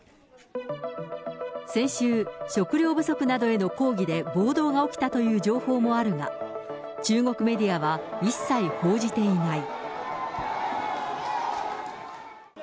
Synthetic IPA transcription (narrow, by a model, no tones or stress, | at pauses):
sẽ̞ɕɨːɕo̞kɯ̟ɾʲo̞ːbɯ̟so̞kɯ̟nad̪o̞e̞no̞ko̞ːɡʲid̪e̞bo̞ːd̪o̞ːɡao̞kʲi̥t̪at̪o̞jɯ̟ːd͡ʑo̞ːho̞ːmo̞aɾɯ̟ŋa̰ | t͡ɕɨːŋo̞kɯ̟me̞d̪ʲiaβ̞aisːaiho̞ːʑit̪e̞inai